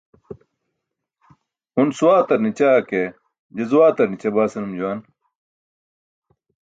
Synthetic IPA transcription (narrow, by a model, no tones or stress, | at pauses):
unsuwaːt̪ɐɾnit͡ɕaːke | d͡ʑɐzuwaːt̪ɐɾnit͡ɕɐbaːsɐnumd͡ʑuwaːn